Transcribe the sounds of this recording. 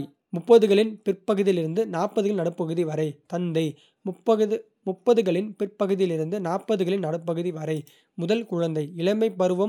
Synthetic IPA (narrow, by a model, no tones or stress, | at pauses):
mʊpːɐðɯɣɐɭɪnpɪrpɐɣɯðɪlɪɾɯnd̪ɯnaːpɐðɯɣɐɭnɐɽɯpːɐɣɯðiʋɐɾɐɪt̪ɐnd̪ɐɪ | mpːɐɣɯ | mʊpːɐðɯɣɐɭɪnpɪrpɐɣɯðɪjɪlɪɾɯnd̪ɯnaːpːɐðɯɣɐɭɪnnɐɽɯp̬ːɐɣɯðiʋɐɾɐɪ | mʊðɐlkʊɻɐnd̪ɐɪɪɭɐmɐɪpːɐɾɯʋɐm